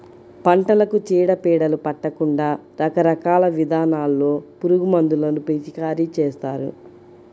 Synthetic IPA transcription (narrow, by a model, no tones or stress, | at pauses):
pɐɳʈɐlɐkut͡ʃiːɽɐpiːɽɐlupɐʈːɐkuɳɖaː | ɾɐkɐɾɐkaːlɐʋid̪ʱaːnaːlːo̞ːpuɾuɡumɐnd̪ulɐnupet͡ʃikaːɾit͡ʃeːst̪aːɾṵ